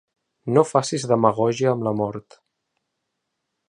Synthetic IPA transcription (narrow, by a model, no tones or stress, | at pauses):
nofasizðəməɣ̞ɔʒiəːmləmɔɾt̪